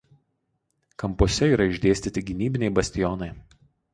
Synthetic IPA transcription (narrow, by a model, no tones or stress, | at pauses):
kɐmpuɔsʲɛiːɾɐɪʒʲd̪ʲeːsʲt̪ʲɪt̪ʲɪɡʲɪnʲiːbʲɪnʲɛɪbɐsʲt̪ʲɪjɔnɐɪ